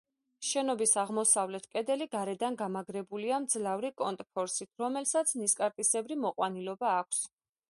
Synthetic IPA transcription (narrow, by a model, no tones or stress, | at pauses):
ʃɛnɔbisaʁmɔsavlɛt̪ʰkʼɛd̪ɛliɡaɾɛd̪anɡamaɡɾɛbuliamd̪zlavɾikʼɔnt̪ʼpʰɔɾsit̪ʰɾɔmɛlsat̪sʰniskʼaɾt̪ʼisɛbɾimɔqʼwanilɔbaːk̚ʷʰs